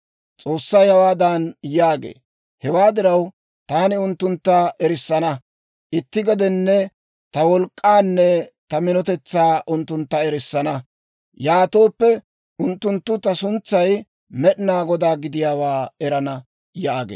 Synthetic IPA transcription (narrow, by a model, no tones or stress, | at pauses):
t͡sʼo̞ːsːɐjhɐwaːd̪anjaːɡḛː | hɛwaːd̪ɪɾɐw | t̪aːnɪʊnt̪ːʊnt̪ːɐʔɛɾɪsːɐnɐ | ʔɪt̪ːɪɡɔd̪ɛnːɛ | t̪ɐwɔlkʼːaːnːɛt̪ɐmɪnɔt̪ɛt͡sːaːʔʊnt̪ːʊnt̪ːɐɛɾɪsːɐnɐ | jaːt̪o̞ːpːɛ | ʔʊnt̪ːʊnt̪ːʊt̪ɐsʊnt͡sːɐj | mɛɗɪnaːɡɔd̪aːɡɪd̪ɪjaːwaːɛɾɐnɐ | jaːɡḛː